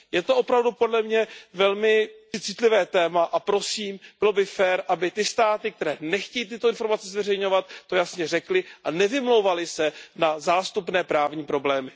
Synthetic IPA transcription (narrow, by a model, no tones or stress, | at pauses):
jɛt̪o̞ʔopɾavdupo̞dlɛmɲɛvɛlmɪɪt͡sɪt̪lɪvɛːt̪ɛːmaʔapɾo̞siːmb̥ɪlobɪfɛːɾʔabɪt̪ɪst̪aːt̪ɪk̚t̪ɛɾɛːnɛxcɛjiːt̪̬ɪt̪oɪnfo̞ɾmat͡sɛzvɛrɛjɲo̞vat̪ːo̞jasɲɛrɛklɪʔanɛvɪmlowvalɪsɛnazaːst̪upnɛːpɾaːvɲiːpɾo̞blɛːmɪ